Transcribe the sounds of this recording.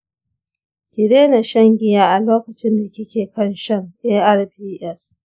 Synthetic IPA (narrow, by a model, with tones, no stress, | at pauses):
kʲɪ˨ɽeː˦na˨ʃɐ˦ŋɡʲɪ˦jaː˦ʔa˨loː˦kɐ˨t͡ʃɪ˦nda˨kʲɪ˦kʲeː˨kɐ˦nʃɐ˦ŋʔeː˦ʔɐ˦rpiː˦ʔɛ˦s